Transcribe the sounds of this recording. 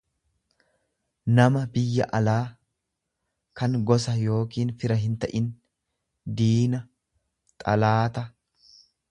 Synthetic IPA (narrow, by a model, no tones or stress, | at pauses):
nɐmɐbɪjːɐ̰ʔɐlaː | kɐŋɡɔs̬ɐjo̞ːkiːnfɪɾɐɦɪnt̪ɐʔɪn | d̪iːnɐ | t̪ʼɐlaːt̪ɐ